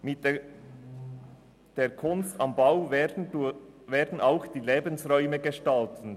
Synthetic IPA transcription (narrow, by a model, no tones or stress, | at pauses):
mɪt | d̥eːkʰʊnstɑmbaʊ | veːɾdn̩aʊxd̥iːleːbənsʁɔʏməɡəʃtaltn̩